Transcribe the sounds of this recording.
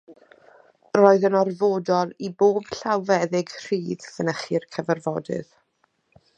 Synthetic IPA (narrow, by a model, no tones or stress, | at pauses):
roːɨðənɔrvoːdɔlˠiboːb̥ɬawvɛðɪɡr̥iːðfənəχiːrkʰəvərvɔdɨ̰ð̥